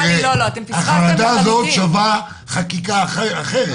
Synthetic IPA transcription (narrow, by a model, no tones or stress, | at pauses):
eaχaʁad̪aːzot̪ʃava | χakikaːχeaχeʁe